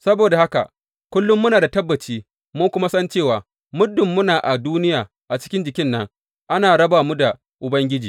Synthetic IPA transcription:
sɐ˦boː˨da˨ha˦ka̰˨ | kʷʊ˦lːʊ˦mːʊ˦naː˨da˨tɐ˦bːɐ˨t͡ʃiː˦ | mʊ˦ŋkʷʊ˦ma˦sɐ˦nt͡ʃeː˦˨waː˨ | mʊ˦dːʊ˨mːʊ˦naː˨ʔa˨duː˦nɪ˦jaː˨ | ʔa˨t͡ʃɪ˦kʲɪ˦nd͡ʒɪ˨kʲɪ˦nːɐ˦ŋ | ʔa˦naː˨ɽɐ˦baː˨mu˦da˨ | ʔʊ˨bɐ˦ŋɡʲɪ˦d͡ʒiː˨

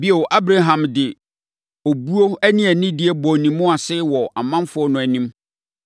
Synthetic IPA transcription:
bi˦ɛ˨wʔa˦bɾa˦ɦã˨mdɪ˨ | o˨bu˦o˦æ˦nĩ˦æ˨nĩ˦dɪ˦ɛ˦bɔ˨nĩ˨mːʊ̃˦a˨sɪ˦wɔ˨ʔa˨mã˦mfʊ˦ɔ˦nʊ̃˨æ˨nĩ˦m

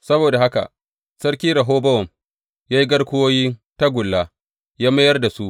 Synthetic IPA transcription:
sɐ˦boː˨da˨ɦa˦ka̰˨ʔ | sɐ˦ɽkʲiː˦ɾa˨ɦoː˦bɐ˦wɔ˨m | jaː˦ji˦ɡɐ˦ɽkʷʊ˦woː˦jiː˦ta˦ɡʷʊ˨lːa˦ | jaː˦mɐ˦jɐ˦rda˨su˦ʔ

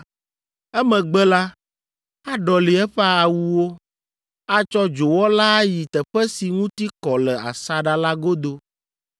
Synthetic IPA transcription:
ɛ˦mɛ̃˨ɡ͡bɛ˦la˦ | a˦ɖɔ˨li˨ɛ˦ɸɛ˦a˨wu˦wo˦ | a˦t͡ʃɔ˦d͡ʒo˨wɔ˦la˦ji˨t̪ɛ˨ɸɛ˦si˨ŋũ˦t̪i˦kɔ˨lɛ˨a̰˨sa˦ɖa˦la˦ɡo˦d̪o˦

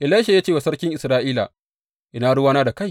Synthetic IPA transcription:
ʔɪ˨laː˦ʃe˨jaː˦t͡ʃeː˦wa˨sɐ˦ɽkʲɪ˦ŋʔɪ˨sɾaː˦ʔiː˦la̰˨ | ʔɪ˦naː˦ɽʊ˦waː˦naː˦da˨ka˦j

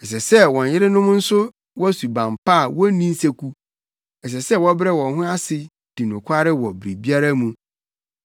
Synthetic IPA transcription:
ɛ˨s̬ɛ˨sɛ˦wɔ̃˨n˨jɪ˦ɾɪ˦nʊ̃˦m˦n̩˦sʊ˦ | wɔ˦su˨bã˨mpa˦˨wɔ˦nĩ˦n̩˦se˦kʷʰu˦ | ɛ˨s̬ɛ˨sɛ˦wɔ˦bɾɛ˦wɔ̃˨nɦʊ̃˦a˦sɪ˨ | d̥i˨nʊ̃˨kʰʷa˦ɾɪ˦wɔ˨bɾi˨bi˦a˦ɾa˦mũ˨

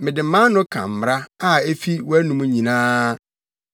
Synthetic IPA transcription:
mɪ̃˨dɪ̃˨m̩˨˦mã˦nʊ̃˦kʰã̰˨m̩˨m˨ɾa˦a˦e˦fi˦wæ˦nũ˦mũ˦ɲĩ˨nãː˦

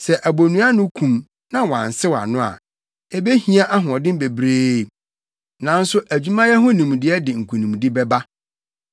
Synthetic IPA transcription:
sɛ˨ʔæ˨bo˨nũ˦a˦nʊ̃˦kʰũ˨m | nã˦wã̰˨n̩˨sɪ˦wa̰˨nʊ̃˦a̰˨ | e˦be˦hĩ˦a˦ʔa˦ɦʊ̃˨ɔ˨dɪ̃˦m˦be˨bɾeː˦˨ | nã˨˦n̩˦sʊ˦ʔæ˨d͡ʑᶣu˦mã˦jɛ˦ɦʊ̃˦nĩ˨m˨dɪ˦ɛ˦dɪ˨ŋ̩˨kʰu˨nĩ˨m˨di˦bɛ˦ba˦

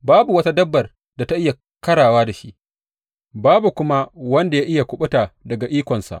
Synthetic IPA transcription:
baː˦bu˨wɐ˦ta˦dɐ˦bːɐ˨r | da˨ta˦ʔɪ˦ja˨ | kɐ˦ɽaː˨waː˦da˨ʃi˦ʔ | baː˦bu˨kʷʊ˦ma˦wɐ˦nda˨jaː˦ʔɪ˦ja˨kʷʊ˦ɓʊ˦taː˨dɐ˨ɡa˨ʔiː˦kʷɔ˨nsa̰˨ʔ

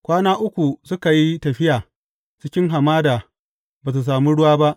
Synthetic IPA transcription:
kʷaː˦naː˦ʔʊ˦kʷu˨sʊ˦ka˨ji˦tɐ˨ɸɪ˦jaː˨ | t͡ʃɪ˦kʲɪ˦ŋɦa˨maː˦daː˨ | baː˨t̬u˨s̬aː˨mi˦ɽʊ˦waː˦ba˦ʔ

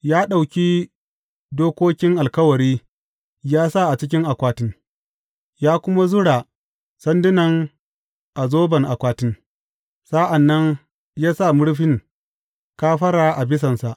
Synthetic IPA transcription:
jaː˦ɗa˨wkʲiː˦ | doː˦kʷoː˦kʲɪ˦ŋʔa˨lkɐ˦wɐ˨ɽiː˦ | jaː˦sa˦˨ʔa˨t͡ʃɪ˦k̬ʲɪ˦ŋʔa˨kʷaː˨tɪ˦ŋ | jaː˦kʷʊ˦ma˦zʊ˦ɽaː˨ | sɐ˦ndɪ˦nɐ˨ŋ | ʔa˨zoː˦bɐ˨ŋʔa˨kʷaː˨tɪ˦ŋ | sa˦ʔa˨nːɐ˦ŋ | jaː˦sa˦˨mʊ˦ɽɸɪ˦ŋ | kaː˦ɸɐ˦ɽaː˨ʔa˨bɪ˦s̬ɐ˨nsa˨ʔ

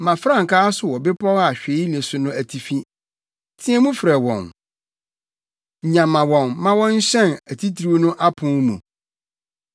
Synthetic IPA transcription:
mã˨fɾã˦ŋ̩˨kʰaː˦sʊ˨wɔ˨bɪ˦pʰɔ˦ɣa˨ɕᶣe˨˦i˦n˨ɛ˨sʊ˨nʊ̃˦æ˨tʰi˨fi˦ | tʰĩ˦ɛ˦mũ˦fɾɛ˨wɔ̰̃˨n | ɲ̩˨ɲã˨mã˨wɔ̃˨nːã˦wɔ̃˦ɲ̩˦ɕɛ̃˦˨næ˨tʰi˦tʰɾi˦nʊ̃˦ʔa˦pʰʊ̃˦mṵ̃˨

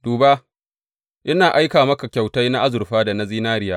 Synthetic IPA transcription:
d̥uː˨ba˦ | ʔɪ˦naː˨ʔa˦jkaː˨mɐ˦ka˨kʲa˨wta˦jna˦ʔa˦zʊ˨rɸaː˦da˨na˦ziː˦naː˦ɾɪ˦jaː˦

